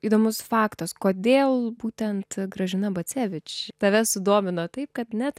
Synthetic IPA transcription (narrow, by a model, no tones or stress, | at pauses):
iːd̪oːmʊsfɑːkt̪oskoːd̪ʲeːlˠbuːt̪ʲɛnt̪ɡɾɐʒʲɪnɐbɐt͡sʲæːʋʲɪt͡ʃʲt̪ɐʋʲɛsʊd̪oːmʲɪnoːt̪ɐɪp̚kɐt̪nʲɛt̪